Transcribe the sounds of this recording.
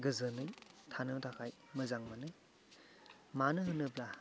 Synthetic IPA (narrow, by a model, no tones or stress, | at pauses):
ɡɯzɯnɯjtʰanɯtʰakʰaj | mɯzaŋmanɯj | manɯɦɯnɯbla